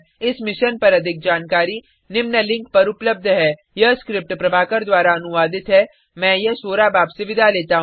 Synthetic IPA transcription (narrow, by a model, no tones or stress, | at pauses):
ɪsmɪʃənpɐɾɐd̪ʱɪk̚d͡ʒaːnkaːɾi | nɪmnəlɪ̃ŋk̚pɐɾʊpləb̚d̪ʱɦɛː | jɐskɾɪp̚ʈpɾɐbʱaːkəɾd̪waːɾaɐnʊʋaːd̪ɪt̪ɦɛː | mɛ̃ːjɐsoːɾabaːbseʋɪd̪ʱaleːt̪aɦ